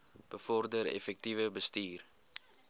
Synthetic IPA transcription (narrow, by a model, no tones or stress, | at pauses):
b̥əfɔrdəɾɛ̰fɛk̚tivəbəstiːr